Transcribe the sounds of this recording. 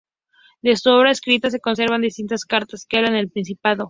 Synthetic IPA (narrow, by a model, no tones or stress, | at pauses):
d̪e̞suoβɾaeskɾit̪as̬e̞ko̞ns̬e̞ɾβand̪is̬t̪int̪askaɾt̪askeaβlanelpɾins̬ipaðo̞